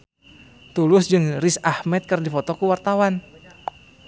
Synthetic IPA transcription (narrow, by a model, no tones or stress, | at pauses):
t̪ulʊsd͡ʒɨŋrɪsahmɛt̪̚kɨrdifɔt̪ɔkəwart̪awan